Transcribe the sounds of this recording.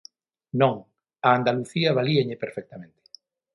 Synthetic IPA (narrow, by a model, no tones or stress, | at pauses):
nõŋ | aːnd̪aluθiɐβaliaʎɪpeɾfɛk̚t̪amẽnt̪ɪ̥